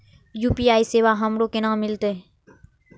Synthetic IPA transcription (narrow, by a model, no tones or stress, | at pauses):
juːpiaːiseːʋaɦəmɾokenãːmɪlt̪e